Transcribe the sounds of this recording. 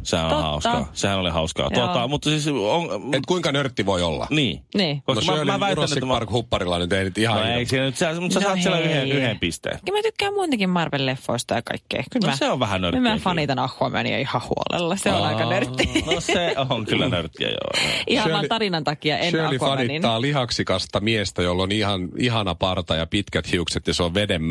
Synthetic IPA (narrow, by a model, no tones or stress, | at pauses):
sehæ̰no̰othɑ̰uskɑ̰sehænolḭhɑuskɑ̰ːjt̪ot̪ːɑmut̪ːɑsisoŋet̪kuiŋkɑnørt̪ːiʋoio̰lːɑ̰niːniːkosmmæʋæit̪ːænet̪mɑrkhupːɑrilːɑnyt̪einyt̪ihɑeisiːnænyt̪sit̪æmut̪sessɑːt̪sielːæyheyhempist̪ḛːkylmæt̪ykːæːmmuint̪ɑkimmɑrʋellefːo̰ist̪ɑjɑkɑ̰ikːḛːkymæseoʋʋæhænørmæfɑnit̪ɑnɑxːoɑmæ̰nḭjo̰ihɑhṵo̰lḛlːɑseonɑikɑnørt̪ːinseoŋkylːæ̰nørt̪ːḭæ̰jo̰ʔihɑsøit̪ɑrinɑnt̪ɑkiɑʔenøoliɑnintnːɑːliɦɑksikɑst̪ɑmiest̪æjolːonihɑniɦɑnɑpɑrt̪ɑjɑpit̪kæt̪hiukset̪jɑsoʋʋedemː